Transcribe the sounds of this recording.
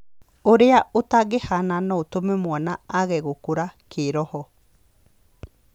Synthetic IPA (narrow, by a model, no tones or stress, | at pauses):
oɾeaot̪aɡehananout̪omemuanaːɣɛɡokuɾakʰeɾɔhɔ